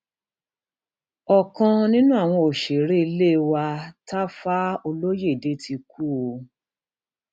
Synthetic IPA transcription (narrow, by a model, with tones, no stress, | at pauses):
ɔ˨kã˧nĩ˦nũ˦a˦˨w̃ɔ̃˧o˨ʃe˨ɾe˦i˧le˦˧wa˧ta˦fa˦o˧lo˦je˦˨i˨de˨˦tʰi˧ku˦˨o˧